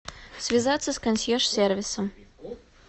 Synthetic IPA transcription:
sʲvʲɪzat̪sːəskɐnʲsʲjɛʂsʲervʲɪsəm

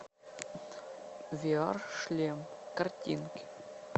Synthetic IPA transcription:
vʲiɑrʂlʲemkɐrtʲḭnkʲ

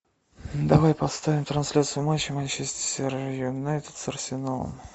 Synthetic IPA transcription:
d̪ɐvajpɐt̪st̪avʲɪmt̪ɾɐnsʲlʲat̪sɨʊmaɕːɪmanʲt͡ɕɛsʲtʲɪ̥sʲrjʊnajt̪ʲɪ̥t̪sərsʲɪnalˠə̰m

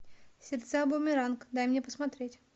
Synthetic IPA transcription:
sʲɪrt̪sabomʲɪɾankd̪ajmnʲepəsmɐt̪ɾʲetʲ

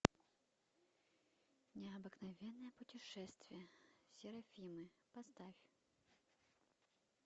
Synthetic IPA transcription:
nʲɛɐbɨknɐvʲɛnːɐjɛpʊtʲɪʂɛst̪vʲijɛsʲɪɾɐfʲimɨpɐst̪afʲ

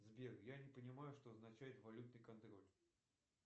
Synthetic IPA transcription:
zbʲeɡjanʲɪpənʲɪmajʊʂt̪oɐznɐt͡ɕæjɪt̪vɐlʲut̪̚nɨjkɐnt̪ɾo̞lʲ

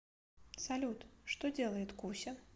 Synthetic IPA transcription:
sɐlʲut̪ʂt̪od͡zʲelˠəjɪt̪kusʲɐ

